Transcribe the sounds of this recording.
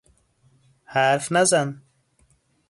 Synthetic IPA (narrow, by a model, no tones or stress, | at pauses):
haɾfnazan